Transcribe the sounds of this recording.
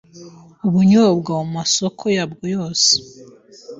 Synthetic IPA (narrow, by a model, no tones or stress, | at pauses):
uβuɲobɡawumasokʰo̞jabɡojo̞ːse̥